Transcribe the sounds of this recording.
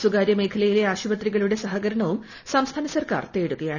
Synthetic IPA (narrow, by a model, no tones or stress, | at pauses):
suɡaːɾjɐme̞ːkʰɐlɐjile̞aːɕubɐt̪riɣɐɭuɽe̞sɐɦɐɣɐɾɐɳɐʋum | sɐmst̪ʰaːnɐsɐrka̰ːrt̪e̞ːɽuɣɐjaːɳ